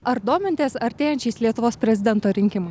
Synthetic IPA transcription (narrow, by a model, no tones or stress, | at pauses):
ɐɾd̪oːmʲɪnt̪ʲeːsɐɾʲt̪ʲeːjɛnʲt͡ʃʲɛɪslʲiɛt̪ʊʋoːspʲɾʲɛzʲɪd̪ʲɛnt̪oːɾʲɪŋʲkʲɪmɐɪ